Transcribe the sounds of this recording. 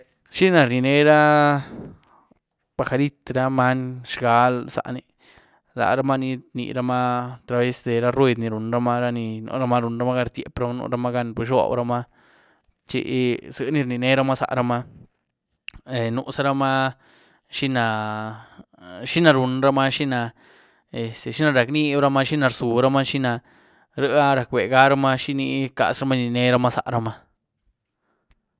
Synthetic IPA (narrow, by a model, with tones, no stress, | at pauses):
ʃi˦na˧ɾni˧ne˦ɾa˦ | b̥a˨xa˧ɾi˦t̪ɾa˦ma˦nʃɡa˧˦lsa̰˨ʔni˧˨ | la̰˨ɾa˦ma˦ni˧ɾnḭ˧ɾa˦ma˦t̪ɾa˧be˦sd̪e˨ɾa˦ɾwe˦˧d̪ni˧ɾu˨nɾa˦ma˦ɾa˦ni˧no̰˧ɾa˦ma˦ɾu˧nɾa˦ma˦ɡa˧ɾt̪ʲjḛ˨pɾa˦ma˦nṵ˧ɾa˧˦ma˦ɡa˧npe˧ʃ̬o̰˧˨bɾa˧ma˦ | t͡ʃḛ˧˦sɡa˦ni˧ɾni˧ne˧˦ɾa˦ma˦sa̰˨ɾa˧ma˦ | e˨nũ˧ʔsa˧ɾa˧ma˦ | ʃi˦na˧ | ʃi˦na˧ɾu˨nɾa˧ma˦ʃi˦na˧ | e˨st̪e˨ʃi˦na˧ɾa˨knĩ˦bɾa˧ma˧ʃi˦na˧ɾsu˨ɾa˦ma˦ʃi˦na˧ | ɾə˦a˦ɾa˧kʷe˨ɡa˦ɾa˦ma˧ʃi˦ni˧ka̰˧˨sɾa˧˦ma˦ni˧˨nẽ˦ɾa˧ma˦sa̰˨ʔɾa˧ma˧